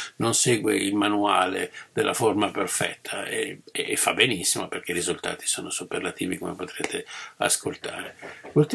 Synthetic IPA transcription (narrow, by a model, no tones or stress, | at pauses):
nonseːɡweilmanuaːled̪elːʔaformaperfɛ̰t̪ʰːaeːfːabːenisːimoperk̟eɾizult̪a̰ːt̪i̥soːnosuperlat̪iːvikomepot̪ɾeːt̪ʰea̰skʰolt̪aːɾekult̪